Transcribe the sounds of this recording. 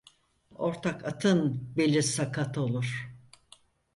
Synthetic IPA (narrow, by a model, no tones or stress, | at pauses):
o̞ɾt̪ʰakʰat̪ʰɯnbelʲːisakʰat̪ʰolˠuɾ̥